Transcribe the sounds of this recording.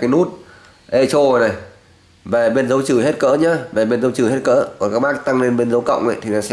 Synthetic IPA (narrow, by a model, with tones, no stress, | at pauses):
aː˨˦jnu˦˥t̚ | ʔe˧t͡ɕo˧˨˩na˨˩j | va˨˩ɓe˧nzə˨˦wt͡ɕɨ˧˩he˦˥t̚kə̰ː˧˥ɲa˨˧˦va˨˩ɓe˧nzə˨˦wt͡ɕɨː˨˧˩ɦe˦˥t̚kə̰ː˧˥kɔ˨˩kaː˦˥k̚ɓaː˦˥k̚t̪a˧ŋle˧nɓe˧nzə˨˦wkə̰˧˨wŋ͡mʔə̰˧˨jt̪ʰi˨nɔ˨˩sɛ̰˧